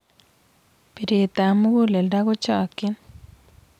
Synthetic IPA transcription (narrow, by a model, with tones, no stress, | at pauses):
pi˨ɾe˨t̪a˨mu˦ɡu˦le˨lda˦ɡo˦t͡ʃɔ˨kɪ˦n